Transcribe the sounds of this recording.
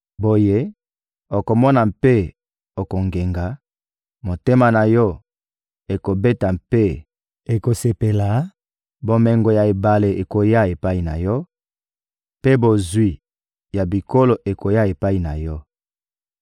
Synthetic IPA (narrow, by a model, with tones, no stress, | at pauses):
bo˨je˦ | o˨ko˨mɔ˦na˨mpe˦ | o˨ko˨ŋɡe˨ŋɡa˨˦ | mo˨te˦ma˨na˨jɔ˦ | e˨ko˨be˦ta˨mpe˦ | e˨ko˨se˨pe˨la˨˦ | bo˦mɛ˦ŋɡo˨ja˨e˨ba˨le˨ʔe˨ko˨ja˦e˨pa˦i˨na̰˨jɔ˦ | pe˦bo˨zwi˦ | ja˨bi˨ko˦lo˨ʔe˨ko˨ja˦e˨pa˦i˨na˨jɔ˦